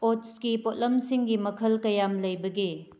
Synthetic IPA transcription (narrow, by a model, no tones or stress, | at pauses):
otskipot̚lɐmsiŋɡimɐkʰɐlkɐjamlɐjbɐɡi